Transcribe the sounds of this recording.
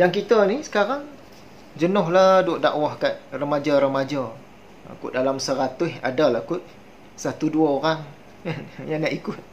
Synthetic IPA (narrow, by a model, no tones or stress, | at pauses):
jaŋk̬it̪ənisə̥kaɾaŋ | d͡ʒənɔɦlahdʊʔda̰ʔwahkat̪̚rəmad͡ʒaɾəmad͡ʒa | a̰kʊʔ̪̚dalamsəɾat̪ʊɦa̰dalakʊt̪̚ | sat̪uduaoɾaŋ | kanjaŋnaʔikʊt̪̚